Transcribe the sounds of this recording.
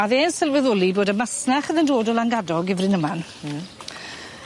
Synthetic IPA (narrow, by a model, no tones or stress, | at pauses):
aðeːnsɪlˠwɛðʊlˠiboːdəmasnaχəðəndoːdɔlˠaŋɡadɔɡɪvrɨnəman